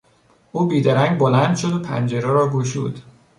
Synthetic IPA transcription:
ʔuːbiːd̪æɾæŋɡbolænd̪ʃod̪opʰæ̰nd͡ʒeɾɛɾɒːɡoʃṵːd̪̥

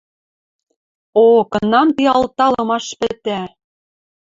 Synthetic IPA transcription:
okɤ̆nɑmt̪iɑlt̪ɑlɤ̆mɑʃpɘ̆t̪æ

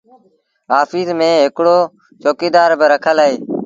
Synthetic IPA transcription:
ɦaːfiːzmẽːɦɪkɽoː | t͡ʃoːkiːd̪aːɾbɪɾəkʰəlaːɦeː

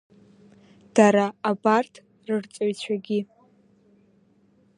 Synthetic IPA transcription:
d̥aɾaːbartʰ | rɨrt͡sʼoɥt͡ɕʷʰaɡʲi

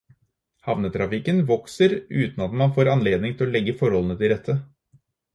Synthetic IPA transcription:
hɑʋnət̪ʰɾɑfɪkənʋɔksəɾʉːt̪nɑt̪mɑnfoːɾɑnleːd̪nɪŋt̪ʰɪlɔlɛɡːəfɔɾhɔlənət̪ʰɪld̪ɛt̪ʰːə

